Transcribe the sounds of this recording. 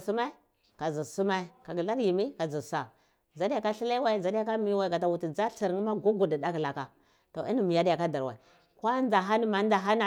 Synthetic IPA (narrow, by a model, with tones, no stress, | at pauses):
su˦ma˦i˦ | ka˨zi˨su˦ma˦i˦ka˨ɡi˨la˦ɾji˨mi˦ka˨zi˨sa˨ | za˨˦di˦ja˨ka˦ɬi˦la˦wa˦i˦za˨di˦ja˦ka˦mi˨˦wa˨i˨ɡa˨ta˨wu˨ti˨d͡za˦ɬi˨ɾŋi˦ma˦ɡu˦ɡu˨di˨da˦kla˨ka˨ | to˨i˦ni˦mi˨ja˦di˦ja˨ka˦da˨ɾwa̰˨i˨ | kwa˦n˦a˨ɦa˦ni˦ma˨n˦da˨ɦa˦na˨